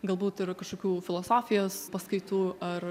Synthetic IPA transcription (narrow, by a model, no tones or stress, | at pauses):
ɡɐlˠbuːt̪ɪɾkɐʃkoːkʲuːfʲɪlˠoːsoːfʲɪjoːspɐskɐɪt̪uːʔɐr